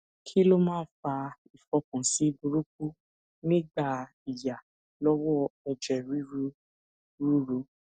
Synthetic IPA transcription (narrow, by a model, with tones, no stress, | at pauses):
kʰi˦lo˦mãː˦˨˦fa˧ | i˨fɔ˧˦kũ˨si˨˦bu˧ɾu˦k̚u˦ | nĩ˦ɡ͡ba˦˨ | i˨ja˨ | lɔ˦wɔ˦ɛ˧d͡ʒɛ˨ɾi˦ɾu˦ | ɾu˦ɾu˨˧˦